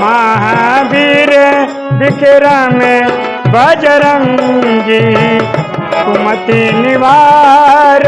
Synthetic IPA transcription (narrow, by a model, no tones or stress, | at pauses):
maːɦabʱiːɾe | bɪkeɾamẽ | bʱɐd͡ʒɐɾɐŋd͡ʒi | kumɐt̪inɪʋaː | ɾ